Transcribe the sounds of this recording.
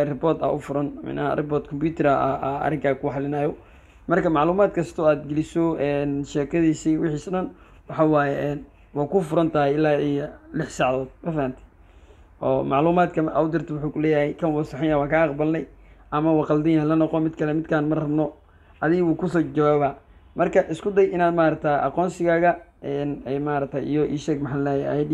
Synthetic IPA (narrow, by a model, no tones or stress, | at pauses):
rɪpɔːt̪ɐ̰ʔʊfʊɾɐnmɪ̰nɐhɐ̰rʔɪpɔːrt̪kʰɔmpjuːt̪ʰɪɾɐɐɐɐ̰rɪŋkʰaːkʰʊħɑlɪnajɔ | mɐrkʰɐmɑʕluːmaːd̪kʰɐst̪ʰɔaːd̪ɡɛlɪsɔɛːnʃɛːkʰɐðiːsiwɪħiːsɗɐn | wɑħɑwaːjɛʔɛːn | wɑːkʊfʊɾɐnt̪ʰɐɦɛjɪlːaːijlɪħsɑʕðɔːd̪̚mɐfahɐnt̪ʰɪ̥ | ʔɔ̰ːmɑʕluːmaːd̪kʰɐmʔɐwd̪ɪrt̪ʰɐwʊħuːkʰʊlɛːjɐhɛjkʰɐnwɑsɑħɪjaːwɑːkʰaːɑqbɐlnɛj | ʔɐmɐwɑqɑld̪ɪjahɛlɐnɔqɔmɪd̪kʰɐlɛmɪd̪kʰaːnmɐrɐbnɔ | ɐðɪɣɐwuːkʰʊsɔːd͡ʒɐwaːβa | mɐrkʰɐʔɪskʰʊd̪ɐjʔɪnaːd̪maːɾɐk̚t̪ʰaʔɑ̰qɔːnsɪɣaːɣɐʔɛːnɛmaːɾɐk̚t̪ʰaijɔʔiːʃɛɡmɐħanlɛːj̰̪